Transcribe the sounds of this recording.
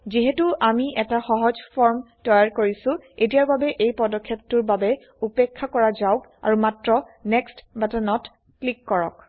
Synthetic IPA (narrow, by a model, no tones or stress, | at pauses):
ziɦɛtuʔamiʔɛtaxɔɦɔzpʰɔɹm | tɔjaɹkoɹisʊ̃et̬ijaɹbabɛʔejpɔdɔkʰːjeptuɹbabɛ | upekʰːakɔɹazaʊk | a̰ɹumatɹɔ | nɛkstbatanɔt | klikːɔɹɔ̰k